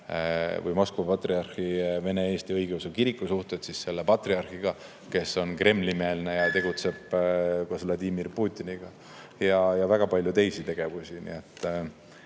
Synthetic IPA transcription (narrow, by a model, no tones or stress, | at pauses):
vɯ̰jmoskovɑpɑt̪riɑrhive̞ne̞e̞ːst̪iɤjɡ̥ewsekiɾikˑːusuht̪et̪sisse̞lːepɑt̪riɑrxiɡ̥ɑ | ke̞so̞nkre̞mlime̞ːlne̞jɑt̪e̞ɡ̥ut̪se̞b̥kɑsvlɑd̪iːmirpuːt̪ʲːˑiniɡ̥ɑ | jɑjɑvæɡ̥ɑpɑlʲjut̪e̞jsit̪e̞ɡ̥e̞vusinḭe̞t̪ːˑ